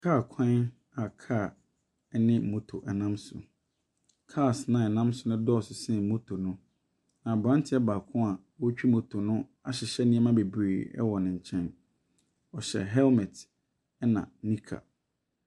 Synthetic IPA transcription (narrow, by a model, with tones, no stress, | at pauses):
kʰaː˦˨kʰã˦n | a˨kʰa˦˨ | ɛ˦nɪ̃˦m̩˨mõ˦tʰo˨ʔɛ˨nã˦msʊ̰˨ | kʰa˦˨snã˨ɛ˨nã˦msʊ˨nʊ̃˦dɔ˦˨sʊ˨sɛ̃˦˨mõ˦tʰo˨nʊ̃˦ | nã˨bɾã˦ntʰɪ˦ɛ˦baː˨kʰʊ̃˦a˨ | wɔ˦t͡ɕᶣi˦mõ˨˦tʰo˨nʊ̃˦ | a˨ɕɪ˨ɕɛ˦nĩ˦ɛ˦mã˦be˨bɾeː˨ɛ̰˦wɔ˨nɪ̃˨ɲ̩˨t͡ɕʰɛ̃˦n | ɔ˨ɕɛ̰˨ɦɛ˦lmɛ˨t | ɛ˦nã̰˨nĩ˦kʰa̰˨